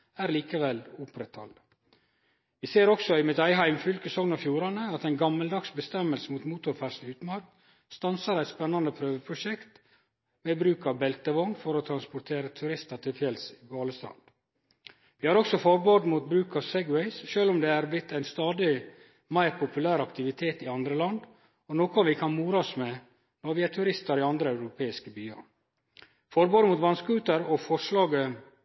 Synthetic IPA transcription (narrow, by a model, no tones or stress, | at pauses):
æːɾliːkəʋɛlʊpɾɛt̪hɑ̰l | ʋiseːɾɔksɔɪmɛt̪ɑɪɦæɪmfʏlkəsɔŋnɑfjuːɾɑnəɑt̪æɪnɡɑmːəld̪ɑɡsbəst̪ɛmːəlsəmuːt̪muːt̪ʊɾfæʂnʉːt̪mɑɾkt̪ | st̪ɑnsɑɾæɪt̪spɛnːɑnd̪əpʰɾøːʋəpʰɾʊʃɛkt̪ | meːbɾʉːkɑʋbɛlt̪əʋɔŋfɔɾɔt̪ʰɾɑnspʊɾt̪ʰeːɾət̪ʰʉɾɪst̪ɑt̪ʰɪlfjɛlsi̥ːɡɑːləst̪ɾɑ̰ːd̪̥ | ʋɪːhɑɾɔksɔfɔɾboːd̪muːt̪̚bɾʉːkɑsɛɡwɛɪsʃøːlʊmd̪ɛæːɾblɪt̪ʰːæɪnst̪ɑːd̪ɪ | mæɪɾpʰʊpʉlæːɾɑkt̪ɪʋɪt̪ʰeːt̪ɪɑnd̪ɾəlɑnd̪ | ɔnoːkɔʋɪkʰɑnmuːɾɑsmɛ | nɔɾʋɪæt̪ʰʉɾɪst̪əɾɪɑnd̪ɾəæʉɾʊpʰeːɪskəbyːə̰ɾ | fɔɾboːd̪muːt̪ʋɑnskʉːt̪əɾɔfɔʂlɑːɡə